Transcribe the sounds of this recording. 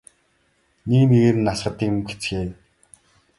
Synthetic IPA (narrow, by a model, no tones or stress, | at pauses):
nekneɣeːɾɘ̆nːasχə̆t̪iːkmmɡet͡sxeː